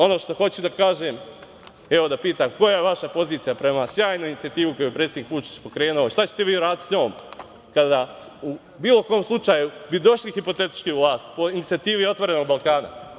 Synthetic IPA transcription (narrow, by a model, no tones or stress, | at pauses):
o̞no̞ːʃt̪o̞xo̞t͡ɕud̪akaːʒeːm | eʋod̪apiːt̪aːmko̞jajeʋaʃapo̞ziːt̪sijapɾe̞masjaːjnuinit̪siat̪iːʋuko̞juepɾe̞t̪sed̪nikʋut͡ʃi̥t͡ɕpo̞kɾe̞ːnuoiʃt̪at͡ɕet̪eʋiːuɾaːd̪it̪sɲo̞ːm | kad̪aːu | biːlˠo̞ko̞ːmslˠut͡ʃaːjubid̪o̞ʃlixipo̞t̪e̞t̪i̥t͡ʃkiuʋlˠaːst̪po̞init̪iat̪iːʋio̞t̪ʋo̞ɾe̞no̞ɡbalˠkaːna̰